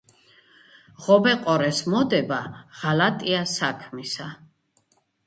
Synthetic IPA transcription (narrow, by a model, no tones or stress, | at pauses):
ʁɔbɛqʼɔɾɛsmɔd̪ɛbaʁ̥alat̪ʼiasakʰmisa